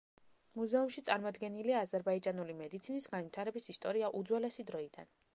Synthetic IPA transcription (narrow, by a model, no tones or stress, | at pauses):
muzɛumʃit̪sʼaɾmɔd̪ɡɛniliaːzɛɾbaid͡ʒanulimɛd̪it̪sʰinisɡanvit̪ʰaɾɛbisist̪ʼɔɾiaʔud̪zwɛlɛsid̪ɾɔid̪a̰n